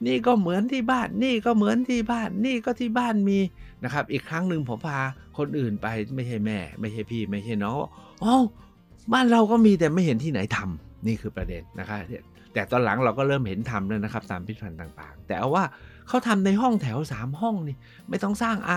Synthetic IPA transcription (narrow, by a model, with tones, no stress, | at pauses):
niː˥˩kɔː˥˩mɯ˩˦ənt̪ʰiː˥˩baː˥˩nːiː˥˩kɔː˥˩mɯ˩˦ənt̪ʰiː˥˩baː˥˩nːiː˥˩kɔː˥˩t̪ʰiː˥˩baː˥˩nmiː˧na˦˥kʰa˦˥p̚ʔiː˨˩kʰɾa˦˥ŋnɯ˧ŋpʰɔ˨˩˦pʰaː˧ | kʰo˧nʔɯː˨˩npa˧jma˥˩jt͡ɕʰa˥˩jmɛː˥˩ma˥˩jt͡ɕʰa˥˩jpʰiː˥˩ma˥˩jt͡ɕʰa˥˩jnɔː˦˥˩ŋwa̰ː˥˩ | ʔo˧˩ | baː˥˩nɾa˧wkɔː˥˩miː˧t̪̬ɛː˨˩ma˥˩jhe˩˨˦nt̪ʰiː˥˩na˩˦jt̪ʰa˧mniː˥˩kʰɯː˧pɾa˧dḛ˧nːa̰˦˥kʰa˦˥˧ | t̪ɛː˨˩t̪ɔː˧nla˩˦ŋɾa˧wkɔː˥˩ɾɤː˥˩mhe˩˦nt̪ʰa˧mlaː˧˥˩na˦˥kʰa˦˥p̚t̪aː˧mpʰi˦˥pʰa˧nt̪aː˨˩ŋt̪a̰ː˨˩ŋt̪ɛ̰ː˨˩ʔa˧˩waː˥˩ | kʰa˦˥˩wt̪ʰa˧mna˧jɦɔ˥˩ŋt̪ʰɛ˩˦wsaː˩˦mhɦɔ˥˩ŋni˧˩ | ma˥˩jt̪ɔ˥˩ŋsaː˥˩ŋʔa˧